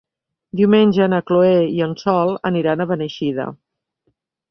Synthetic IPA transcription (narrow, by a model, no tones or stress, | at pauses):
d̪iwmenʲʒənəkloeiənsɔlˠəniɾanəβənəʃiðə̰